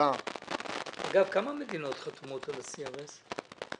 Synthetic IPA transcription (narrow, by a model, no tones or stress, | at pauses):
a | a̰ɡavkamamed̪ino̞t̪χat̪umot̪alasiʁes